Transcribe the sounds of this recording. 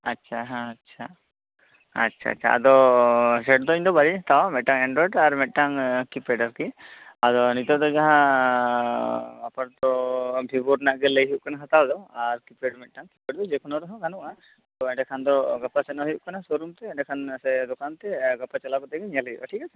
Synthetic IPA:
atːʃʰaɦãːtːʃʰa | tːʃʰa̰ːʃʰa̰a̰d̪ɔsɛʈd̪ɔiɲd̪ɔbaɾiɦat̪awamɛʈʈaŋɛɳɖɾɔɖaɾmɛʈ̚ʈaŋkipeɖaɾkiad̪ɔnit̪ɔd̪ɔd͡ʒaɦã | apaɽt̪ɔbʱibɔɾnaʔɡɛlejɦiuʔkanaɦat̪awd̪ɔaɾkipeɖmɛʈ̚ʈaŋkipeɖd̪ɔd͡ʒɛkʰɔnɔɾɔɦɔ̃kanuʔa | t̪ɔɛɖɛkʰand̪ɔɡapasɛnaɦiuʔkanasoɾumt̪ɛɛɖɛkʰansɛd̪ɔkant̪ɛɡapːat͡ʃalakɔt̪ɛɡɛɲalaɡɛbaʈʰikat͡ʃʰa

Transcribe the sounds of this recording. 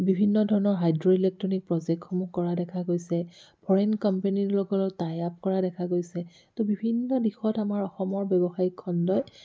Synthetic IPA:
bibʱinːɔdʱɔɹɔnɔɹɦajdɹoilek̚tɹɔnik̚pɹɔzɛk̚txɔmukɔɹadɛkʰaɡojsɛpʰɔɹɛnkɔmpenilɔɡɔlɔtajap̚kɔɹadɛkʰaɡojsɛ | tobibʱinːɔdixɔtamaɹɔxɔmɔɹbjɛbɔxajikʰːɔndɔj

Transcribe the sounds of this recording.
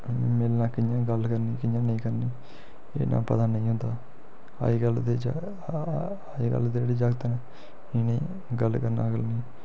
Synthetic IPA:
meːlnãːkɪɲãːɡəlkəɾniːkɪɲãːnəĩːkəɾniː | ḛːnã̰ːpət̪aːnəĩːɦʊ̃nd̪aː | a̰ːiːɡəld̪ed͡ʒ | iːɡə̰ld̪eeːɽiːd͡ʒaːɡt̪ːnãː | iːnĩː | ɡəlkəɾna̰ːɡəlniː

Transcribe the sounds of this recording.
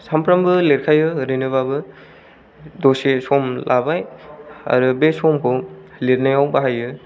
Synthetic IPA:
sampʰɾambɯleɾkʰajɯɾɯnɯbabɯ | dosesɔmlʔabaja̰ɾubesɔmkʰɔ | leɾnajawbaɦajɯ

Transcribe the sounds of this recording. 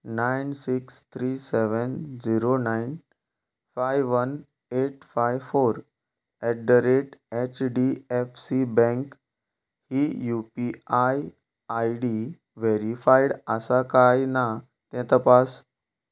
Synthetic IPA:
nainsikst̪ʰɾiseʋənd͡ziɾonain | fajʋʋən | eʈ̚fajʋfoɾ | ɛɖəɾeʈet͡ɕɖiefsibɛ̃ŋk | hijupiaj | ajɖi | ʋeɾifaiɽəsakajna | t̪ɛ̃t̪əpas

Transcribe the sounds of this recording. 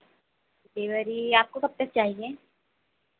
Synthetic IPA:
ʈeːʋəɾiaːp̚kokɐp̚t̪ɐk̚t͡ʃaːɦieː

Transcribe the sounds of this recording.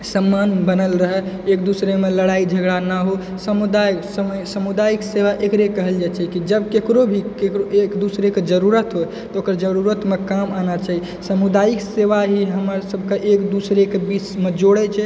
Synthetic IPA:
səmːanbənəlɾəɦɛ | ek̚d̪usɾemeləɽaid͡ʒʱəɡɽanaɦo | səmud̪ajksəsəmud̪ajikseʋaʔekɾekəɦəld͡ʒat͡ʃʰɛkid͡ʒəbkekɾobʱikekɾoekd̪usɾeked͡ʒəɾuɾət̪ɦo | t̪ɔokəɾd͡ʒəɾuɾət̪mekamanat͡ʃaɦi | səmud̪ajikseʋaɦiɦəmɾsəbʱkeʔekd̪usɾekebismed͡ʒoɽɛt͡ʃʰɛ

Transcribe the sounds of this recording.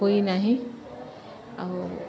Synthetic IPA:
oinaɦĩ | aʊ

